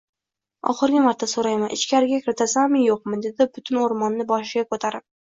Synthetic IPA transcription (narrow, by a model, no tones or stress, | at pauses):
ɒ̰χɨɾɡʲɪmaɾt̪ʰasoɾajmanʔɪ̰t͡ʃkʲʰaɾɪɡʲakʲʰɪɾɪt̪ʰasammɪjoqmɪd̪e̞d̪ɪbʊt̪ʰɪnoɾmɒnːɪbɒʃɪɡʲakʰot̪ʰaɾɪp̚